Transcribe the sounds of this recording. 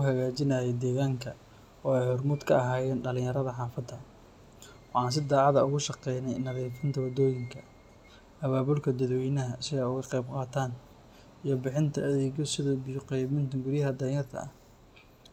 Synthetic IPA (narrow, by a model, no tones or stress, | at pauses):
ʊɦɐɣaːt͡ʃɪnɐjɛd̪ɛːɣaːŋkʰɐ | ɔːɛjhɔrmʊd̪kʰɐɐɦaːjɛːnɖɐlɪ̃ɲjɐɾɐðɐħɑːfɐd̪ɐ | wɑħɑːns̬ɪd̪ɑːʕɑðɐʊɣʊʃɑqɛjnɛjnɐðiːfɪnt̪ʰɐwɐd̪ɔːjɪŋkʰɐ | ɐβaːβʊlkʰɐd̪ɐd̪wɛjnɐɦɐsɪɣːʊɣɐqɛjbqɑːt̪ʰaːn | ijɞbɪħɪnt̪ʰɐːðɛːɣɔsɪðɔbɪjʊqɛjβɪnt̪ʰɐɡʊɾjɐɦɐd̪ɐjɐrt̪ʰɐ̰ʔɐ̰h